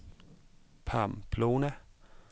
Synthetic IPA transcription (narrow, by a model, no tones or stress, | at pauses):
pʰa̰ːmpʰloːnæ